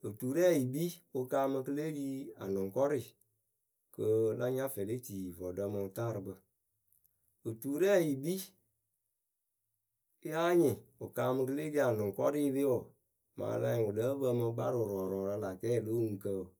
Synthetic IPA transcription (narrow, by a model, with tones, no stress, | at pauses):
ɨ˨tuː˨ɾɛ˦˨ji˨bi˦o˧kaː˧˦mɨ̃˧kə˦le˦diː˦a̰˨nʊ̃˨ŋkɔ˦ɾi˨ | kə˧la˧ɲã˦fɛ˨le˦tiː˨vɔ˨də˧˦mɨ̃˧taː˦˨ɾɨ˧bə˧ | ɨ˨tuː˨ɾɛ˦˨ji˨bi˦ | a˦ɲɪ̃˨o˨kaː˨˦mɨ̃˧k̬ə˦le˦di˧˦a˨nʊ̃˨ŋkɔ˦ɾi˦˧˦le˦wɔ˨ | mã̰ː˨˦lã̰˧˦˨u˨də˦bə˧mɨ̃˧˦ɡ͡ba̰˦ɾɨ˨ɾɔː˨ɾɔ˨ɾa˧la˨kɛː˦˨lo˦ŋɨ˨kə˧˨